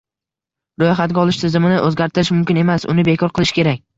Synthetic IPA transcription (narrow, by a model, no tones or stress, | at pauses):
ɾojχat̪̚ɡʲaɒlˠɪʃt̪ʰɪzɪmɪnɪʔɵzɡʲaɾt̪ʰɪɾɪʃmʊmkʲɪne̞masʊ̰nɪbe̞kʰɒɾqʰɨlˠɪʃɪ̥kʲe̞ɾak̚ʲ